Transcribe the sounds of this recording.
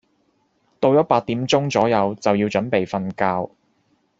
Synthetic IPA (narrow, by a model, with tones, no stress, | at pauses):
t̪o˧wjɔ˦˥paː˧t̚t̪iː˨˥mt͡sʊ˥ŋt͡sɔː˨˥jɐ˨˧wt͡sɐ˨wjiː˧wt͡ʃɵ˨˥npe˨jfɐ˧nkaː˧w